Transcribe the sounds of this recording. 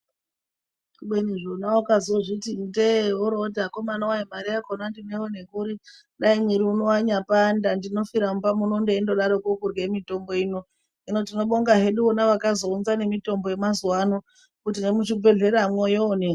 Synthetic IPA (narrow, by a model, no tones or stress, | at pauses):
kuɓeniʐonaokazoʐitindeoɾotako̞manawaimaɾiakonandineone̞kuɾi | ɗaimwiɾiuno̞waɲapandandino̞fiɾamupamunondeendo̞ɗaɾokokurɡemito̞mbo̞ino̞ | inotino̞ɓo̞ŋɡaɦe̞ɗuʋonaʋakazo̞unzane̞mito̞mboje̞mazuwano | kutine̞mut͡ʃibʱe̞ɮe̞ɾamwojoone